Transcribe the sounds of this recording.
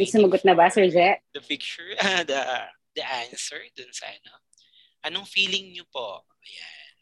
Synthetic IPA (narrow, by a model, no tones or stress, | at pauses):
ɪŋsʊmɐɡot̪̚nɐbasɛɹd͡ʒɛʔ̚d̪̥ɐpɪk̚t͡ʃʊɹɐd̪ɐ | d̪̥ɐʔansɛɹd̪ʊnsɐ̰ʔɐ̰no | ʔɐnoŋfiːlɪŋɲopoʔɐjan